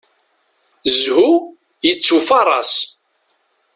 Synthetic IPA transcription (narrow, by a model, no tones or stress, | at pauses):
zhu | jət͡sːufɑɾˤɑ̰s